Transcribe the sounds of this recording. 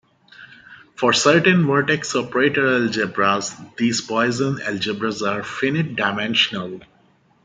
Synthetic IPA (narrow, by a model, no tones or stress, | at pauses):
fɔːɾsəɾʈə̃nʋəɾʈeksɔːpəɾeːʈəɾɛld͡ʒɪbɾazd̪iːzpɔɪzə̃nɛld͡ʒɪbɾazaːɾfɪnɪʈ̚ɖaɪmɛ̃nʃənəl